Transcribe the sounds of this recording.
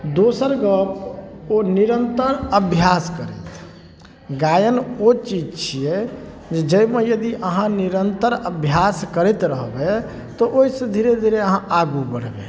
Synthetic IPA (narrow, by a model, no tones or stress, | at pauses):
d̪osəɾɡəponiɾənt̪əɾəbʱjaskəɾɛ̰t̪ | ɡajənot͡ʃid͡ʒt͡ʃʰijɛ | d͡ʒed͡ʒəjmejəd̪iʔəɦãniɾənt̪əɾəbʱjaskəɾɛt̪ɾəɦbe | t̪ɔʔoisẽd̪ʱiɾed̪ʱiɾeəɦãʔaɡubəɽ̤bḛ